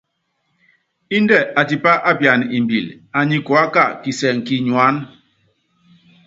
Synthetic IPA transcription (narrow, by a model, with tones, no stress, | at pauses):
i˦n˦dɛ˦˨a˨ti˨pa˦ʔa˦pja˨n˨i˨mbi˨l | a˨ɲi˦kɔ˨a˦ka˦˨ki˨sɛ˨ŋ̩˨ki˨ɲu˨a˨˦n